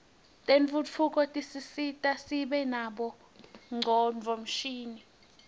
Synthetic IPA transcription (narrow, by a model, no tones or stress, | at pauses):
tʼeɱfut͡fʰukʼɔtʼisisitʼasiɓɛnaɓɔ | ŋʱɔɱvʱom̩ʃiːni